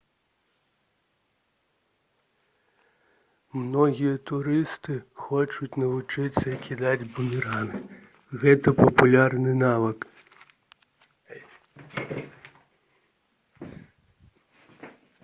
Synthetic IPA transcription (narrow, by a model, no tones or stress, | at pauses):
mnɔɣʲijɐt̪ʊɾɪst̪ɪxɔt͡ʃʊt͡sʲnɐʋut͡ʂɪt͡sʲːɐikʲʰid̪ad͡zʲbʊmʲiɾanɪ | ɣɛt̪ɐpɐpulʲarnɨnaʋɐk